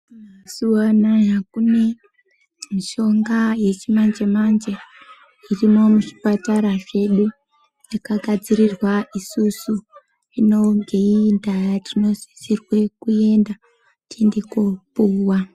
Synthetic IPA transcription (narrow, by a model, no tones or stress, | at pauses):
masuwanajakune̞ | miʃo̞ŋɡaje̞t͡ʃimand͡ʒemand͡ʒe | irimo̞muʐi̥pataɾaʐe̞ɗu | nakaɡʱad͡ziɾirwaʔisusu | ino̞ŋɡeindajatino̞zisirwe̞kue̞nda | tendekopuːwa